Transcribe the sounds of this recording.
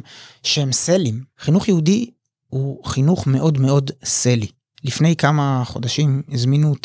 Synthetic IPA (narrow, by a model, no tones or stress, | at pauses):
ʃehemselimχinuχjehudi | huχinuχme̞ʔo̞dme̞o̞dse̞li | lifne̞jkamaχo̞daʃimizminut